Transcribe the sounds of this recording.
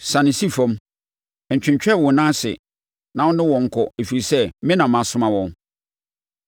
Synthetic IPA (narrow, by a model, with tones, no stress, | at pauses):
sã˨nɪ̃˨si˦fɔ̃˦m | ɛ˨ɲ̩˨t͡ɕᶣɪ̃˨ɲt͡ɕᶣɛ˦˨wɔ̃˨nã˦sɪ̰˨ | nã˨˦ʊ̃˦nɪ̃˦wɔ̃˨ŋ̩˨kʰɔ˨e˨fi˨ɾi˨sɛ˦mɪ̃˦nã˨mã˨sʊ̃˦mã˨wɔ̃˨n